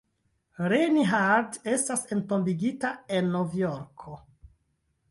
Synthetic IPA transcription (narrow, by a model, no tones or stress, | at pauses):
ɾeniɦaɾde̞stasentombiɡitae̞nːovjoɾkʰo